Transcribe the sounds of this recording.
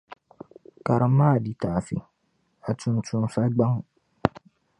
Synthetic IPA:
ka˨ɾa˦maː˦˨di˨taː˨fi˨ | a˨tʰũ˨ntʰũ˨nsa˦ɡ͡ba˦ŋ˨

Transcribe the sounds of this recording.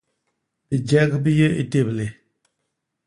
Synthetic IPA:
bi˨d͡ʒɛ˦kbi˦jə˦ḭ˦te˦˨ble˨

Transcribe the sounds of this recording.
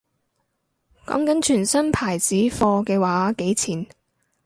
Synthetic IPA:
kɔ̰ː˨˥ŋkɐ˨˥nt͡ʃʰyː˨˩nsɐ˥npʰaː˨˩jt͡siː˨˥fɔː˧kɛː˧waː˨˥ke˨˥jt͡sʰiː˨˩n

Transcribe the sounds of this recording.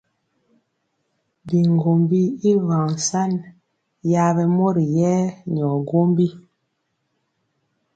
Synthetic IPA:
bi˨ŋɡo˨mbi˦i˦vã˨ŋ˨sa˦˨n | ja˨˦bɛ˨mɔ˦ɾi˨jɛ˦ɲɔ˨ɡo˦mbi˦

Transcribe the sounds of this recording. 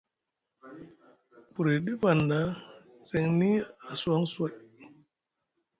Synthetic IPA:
pu˨ɾe˨ɗi˦fa˨nda˨˦ | se˨ŋni˦a˨swa˦ŋswa˦ʔ

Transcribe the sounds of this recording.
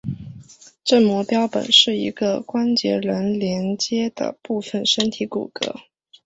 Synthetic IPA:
ʈ͡ʂə˥˩mwɔ˧˥pjɑ˥ʊpə̰˨˩nʂɻ̩˥˩i˧˥ɡə˧kwa˥nt͡ɕjɛ̰˧˥ɻə˧˥nljɛ˧˥nt͡ɕjɛ˥d̪̥ə̰˨pu˥˩˧fə˩nʂə˥nt̪ʰi˧˥kṵ˨˩kɤ̰˧˥

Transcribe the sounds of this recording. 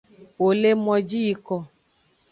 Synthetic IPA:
o˨le˦mɔ̃˧d͡ʒi˦i˧˦kɔ˨

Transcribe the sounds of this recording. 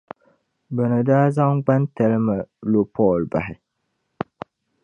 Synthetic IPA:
bɨ˨nɨ˨daː˦za˦ŋɡ͡ba˦ntɐ˨lmə˨lo˨pɔ˦˨lba˨ɦɪ˨

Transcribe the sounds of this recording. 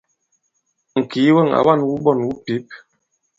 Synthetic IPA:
ŋ̩˨ki˨˦wɛ˦˨ŋa̰˨wa˦˨nwu˦bɔ˦˨nwu˦pi˨˦p̚

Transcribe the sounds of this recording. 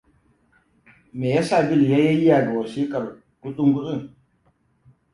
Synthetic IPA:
me˨ja˦sa˦˨bi˦lja˦ja˦ji˦ja˨ɡə˨wo˨si˦kʼa˨l | ɡ̥u˦ɗu˦ŋ˦ɡu˦ɗu˦˨

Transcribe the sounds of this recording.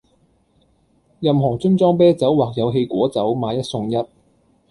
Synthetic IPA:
jɐ˨mɦɔː˨˩t͡sɵ˥nt͡sɔː˥ŋp̬ɛː˥t͡sɐ˨˥wːaː˨˩k̚jɐ˨˧wɦe˧jkʷɔː˨˥t͡sɐ˨˥wmaː˨˧jɐ˥t̚sʊ˧ŋjɐ˥t̚

